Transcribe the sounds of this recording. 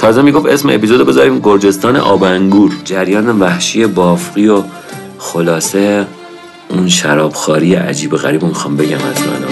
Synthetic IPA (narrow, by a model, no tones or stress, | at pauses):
t̪ʰɒːzemiɡo̞fe̞smeepizo̞d̪be̞zɒːɾiːmɡo̞ɾd͡ʒe̞st̪ɒːnḛʔɒːbæŋɡuːɾd͡ʒæɾjɒːnevæhʃije̞bɒːfɢio | xolɒːse | unʃæɾɒːb̥xɒːɾijeʔæ̰d͡ʒiːbo̞ɣæɾiːbomixɒːmbe̞ɟæmæ̰zmæ̰nɒ̰